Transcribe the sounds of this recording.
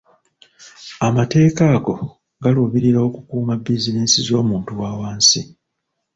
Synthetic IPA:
amate̞ːkaːɡo̞ | ɡaluβiɾiɾao̞kukuːmabizineːnsizo̞ːmuːntuwaːwaːnsi

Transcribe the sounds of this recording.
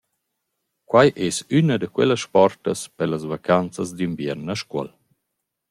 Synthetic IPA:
kwajʔɛsynad̪əkwɛ̰lasʃpɔrt̪əspəɾlasvakʰant͡səzd̪imbjɛɾnəʃkə̰l

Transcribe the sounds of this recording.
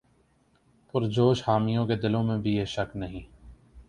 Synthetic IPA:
pʊɾd͡ʒoːʃhaːmijõːked̪ɪlõmẽbʱijeːʃəknɐɦĩː

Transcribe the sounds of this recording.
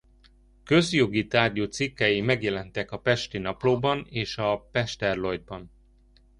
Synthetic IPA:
køzjoɡit̪aːrɟoːt̪sikːɛjimɛɡjɛlɛnt̪ɛkɒpɛʃt̪inɒploːbɒneːʃɒpɛʃt̪ɛrlo̞jd̪̚bɒn

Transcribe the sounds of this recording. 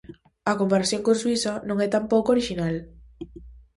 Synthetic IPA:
ɐkompaɾaθjõŋkõnswisɐnõŋɛt̪ampowkoɾiʃinal

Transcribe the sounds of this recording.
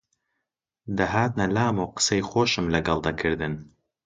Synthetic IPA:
d̪ɐɦaːt̪̚nɐlaːmoːqɨ̥sejxoːʃɨmlɐɡɑlˠd̪akʰɨɾd̪ɨn

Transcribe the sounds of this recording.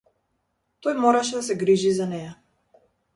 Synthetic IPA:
t̪ɔjmɔɾaʃɛd̪asɛɡɾiʒizanɛja

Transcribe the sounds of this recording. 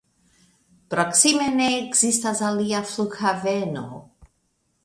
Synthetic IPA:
pɾaksimeneɡzist̪azaliafluxaveno̰

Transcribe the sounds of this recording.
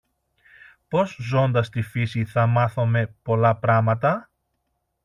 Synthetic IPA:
po̞zzo̞nd̪ɐst̪ifisiθɐmɐθo̞me̞po̞lɐpɾɐmɐt̪ɐ

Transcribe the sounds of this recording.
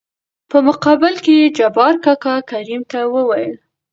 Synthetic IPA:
pəmʊqɑbɪlked͡ʒabɑɾkakakaɾimt̪awəwajəl

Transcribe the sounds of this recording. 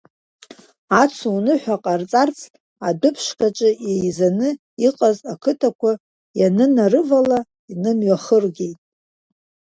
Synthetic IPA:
at͡sʷʰuunɨħʷᶣaqʼart͡sʼart͡sʰ | adʊpʰʃkat͡ʃʼɨejzanɨ | iqʼazakʰɨtʰakʷa | janɨnarɨvala | inɨmɥaχərɡʲe̞jtʼ

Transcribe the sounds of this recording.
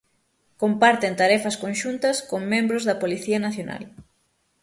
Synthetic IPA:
kompaɾt̪ent̪aɾɛfɐskõnʃunt̪ɐskoŋmẽmbɾʊzðɐpoliθiɐnaθjona̰l

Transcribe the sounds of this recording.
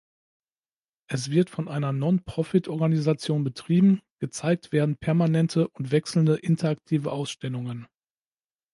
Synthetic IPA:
ʔɛsv̥ɪɐtfɔnʔaɪnɐnɔnpʁ̥ɔfɪtʔɔɐɡanizat͡sjoːnbətʁ̥iːbm̩ɡ̥ət͡saɪk̚tv̥eːɐdn̩pʰɛɐmanɛntʰəʔʊntv̥ɛksl̩ndəʔɪntʰɐak̚tʰiːvəʔaʊsʃtɛlʊŋən

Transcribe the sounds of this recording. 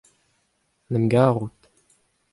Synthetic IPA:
nɛmɡaːʁut̪

